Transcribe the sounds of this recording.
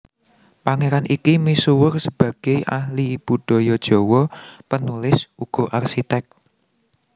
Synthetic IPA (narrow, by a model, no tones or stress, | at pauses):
paŋeɾanʔikimisuwʊrsəb̥ä̤ɡ̥e̤jʔahlib̥ṳɖ̥ɔ̤jɔd̥ʒ̥ɔ̤wɔpənulɪsuɡ̥ɔ̤ʔarʃit̪ɛk̪̚